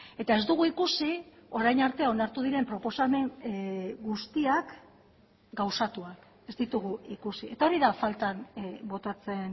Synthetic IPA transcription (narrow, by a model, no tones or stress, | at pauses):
e̞t̪ae̞zd̪uɣ̞uikusio̞ɾajnaɾt̪e̞ao̞naɾt̪uð̞iɾe̞mpɾo̞po̞same̞ŋ | ɡust̪iak | ɡawsat̪uak | e̞zd̪it̪uɣuikusiʔe̞t̪ao̞ɾiðafalt̪anbo̞t̪at͡se̞n